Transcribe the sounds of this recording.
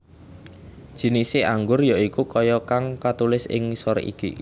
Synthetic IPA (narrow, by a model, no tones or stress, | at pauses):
d̥ʒ̥i̤niseʔaŋɡʊrjaikukɔjɔkaŋkat̪ulɪsɪ̰ŋsɔɾʔḭkḭ